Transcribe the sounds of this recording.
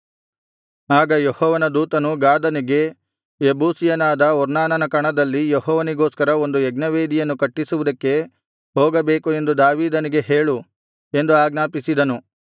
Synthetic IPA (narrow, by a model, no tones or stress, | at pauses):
aːɡɐjehɔːʋɐnɐd̪uːt̪ɐnuɡaːd̪ɐniɡe̞ | ebuːsijɐnaːd̪ɐɔɾnaːnɐnɐkɐɳɐd̪ɐlːijeɦɔːʋɐniɡoːskɐɾɐo̞nd̪ueɡnɐʋeːd̪ijɐnːukɐʈːisuʋud̪ɐkːe̞ | ɦoːɡɐbe̞ːkue̞nd̪ud̪aːʋiːd̪ɐniɡe̞ɦe̞ːɭu | e̞nd̪uaːɡnaːpisid̪ɐnu